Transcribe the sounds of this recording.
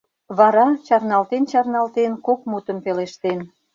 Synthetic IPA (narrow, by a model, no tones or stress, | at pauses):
βɑɾɑt͡ɕɑrnɑlt̪ent͡ɕɑrnɑlt̪enkok̚mut̪ə̆mpeleʃt̪en